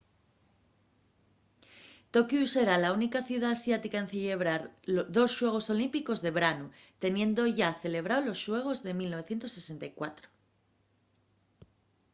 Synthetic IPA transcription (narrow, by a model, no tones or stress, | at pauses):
t̪o̞kjuse̞ɾalaunikaθjuð̞aːsjat̪ikaen̟θiʎe̞βɾaɾðo̞sʃwe̞ɣ̞o̞so̞limpiko̞zðeβɾanu | t̪e̞nje̞nd̪o̞ʝaθe̞le̞β̞ɾaolo̞sʃwe̞ɣ̞o̞zðe̞milno̞β̞e̞θje̞nt̪o̞se̞se̞nt̪ajkwat̪ɾo̥